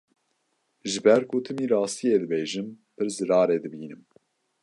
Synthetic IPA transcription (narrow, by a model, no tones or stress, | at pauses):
ʒɨbɛɾkut̪ʰɨmiːɾɑːst̪ijeːd̪ɨbeːʒɨm | pʰɨɾzɨɾɑːɾeːd̪ɨbiːnɨm